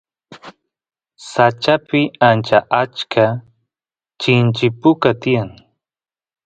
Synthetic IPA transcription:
sat͡ʃapɪant͡ʃaʔat͡ʃkʰa | t͡ʃɪnt͡ʃɪpʊkat̪ɪjaŋ

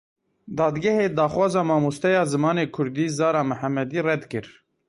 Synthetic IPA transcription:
d̪ɑːd̪ɡɛheːd̪ɑːxwɑːzɑːmɑːmost̪ɛjɑːzɨmɑːneːkʰʊɾd̪iːzɑːɾɑːmɨħæmɛd̪iːrɛd̪kɨɾ

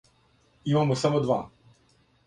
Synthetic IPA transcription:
imamosamod̪ʋa̰

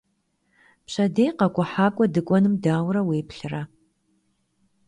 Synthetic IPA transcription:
pɕɐdejqɐkʷʼʊħaːkʷʼɔdɨkʷʼɔnɨmdaːwrɐweːpɬɨrɐ

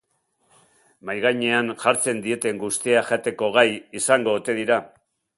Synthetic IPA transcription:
majɣajɲe̞anʝaɾt͡se̞nd̪ie̞t̪e̞ŋɡust̪iaʝat̪e̞ko̞ɣ̞ajisaŋɡo̞ːt̪e̞ðiɾa

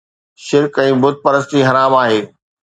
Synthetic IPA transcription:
ʃɪɾkɛ̃ːbʊd̪̚ʱpɐɾəst̪iɦɐɾaːmaːɦeː

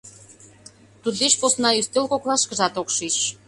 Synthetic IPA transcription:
t̪ud̪eʃposnɑyst̪elkoklɑʃkəʒɑt̪okʃiʃ

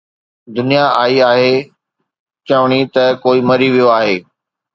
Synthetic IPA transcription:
d̪ʊnijaaːiaːɦeː | t͡ɕɐʋɽ̃it̪ɐkoːimɐɾiʋijoaːɦeː

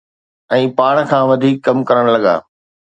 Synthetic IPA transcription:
ɛ̃ːpaːɽ̃kʰãːʋɐd̪ʱiːkːɐmkɐɾəɽ̃lɐɠa̰ː

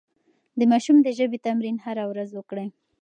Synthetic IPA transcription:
d̪əmɑʃumd̪əʒəbet̪amɾinhaɾawɾazwəkɽəj

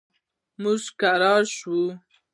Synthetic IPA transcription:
muzkaɾɑɾʃu

